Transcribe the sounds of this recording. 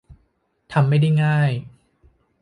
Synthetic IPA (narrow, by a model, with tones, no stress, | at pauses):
t̪ʰa˧mːa˥˩jda˥˩jŋaː˥˩j